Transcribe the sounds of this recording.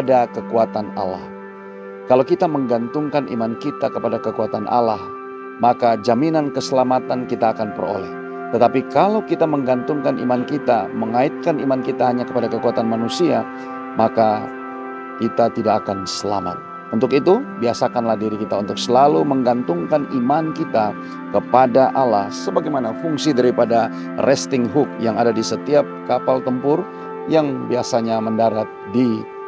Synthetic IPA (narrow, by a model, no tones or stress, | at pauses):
adakəkuat̪ana̰la̰h | kalawkit̪aməŋɡant̪ʊŋkanʔḭmankit̪akəpadakəkuat̪anʔa̰lah | makad͡ʒaminankəsəlamat̪ankit̪aːkanpəɾo̰lɛh | t̪ət̪apikalawkit̪aməŋɡant̪ʊŋkanḭmankit̪aməŋaɪt̪̚kanimankit̪aɦaɲakəpadakəkuat̪anmanusia | maka | kit̪at̪idakːkansəla̰ma̰t̪̚ | unt̪ʊkit̪ubiasakanlahdiɾikit̪aunt̪ʊk̚səlaluməŋɡant̪ʊŋkanimankit̪a | kəpadaʔalahsəbaɡajmanafuŋsidaɾipada | rʔɛst̪ɪŋɦʊk̚jaŋadadisət̪iap̚kapalt̪əmpʊr | jaŋbiasaɲaməndaɾat̪̚di